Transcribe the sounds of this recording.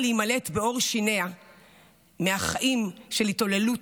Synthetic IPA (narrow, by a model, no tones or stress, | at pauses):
liimale̞tbeo̞ʁʃinea | meaχaʔimʃe̞lito̞lelut